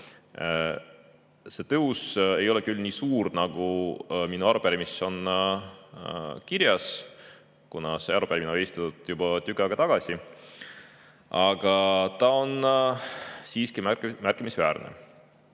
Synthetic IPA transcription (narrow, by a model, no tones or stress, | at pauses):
se̞t̪ɤuse̞jo̞lɛ̞kylnʲiːsuːɾnɑɡ̥uminuɑɾupæɾimisːo̞n | kiɾjɑs | kunɑseɑɾupæɾiminovest̪ɑt̪ud̪̥jub̥ɑt̪yɡɑɡ̥ɑt̪ɑɡ̥ɑsʲi | ɑɡ̥ɑt̪ɑo̞n | siːskimæmærkˑimisvæːɾnḛ